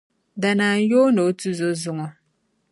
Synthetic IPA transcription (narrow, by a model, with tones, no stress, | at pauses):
da˨naː˨n˦joː˦no˨˦tu˦zo˦zʊ˦ŋɔ˨